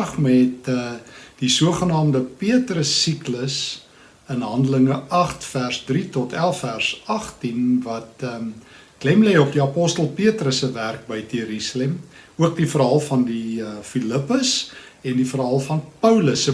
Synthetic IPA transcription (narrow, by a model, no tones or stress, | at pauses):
χmɛt̚əd̥isuəχənɑːmdəpiətrəsːikləs | ənɦɐndələŋəʔɐχtfærsdritɔtælˠfærsɐχtinvɐtə | klɛmlɛjɔp̚diɐpɔstəlˠpiətrəsəværk̚bəjtiəɾisəlɛm | uək̚difərɦɐlˠfɐndifiləpəs | ɛndifərɦɐlˠfɐnpəwləsə